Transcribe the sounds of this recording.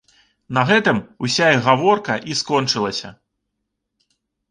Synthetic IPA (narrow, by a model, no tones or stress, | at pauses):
nɐɣɛt̪ɨmusʲaiɣavɔrkɐʔiskɔnt͡ʂɨlˠɐsʲɐ̰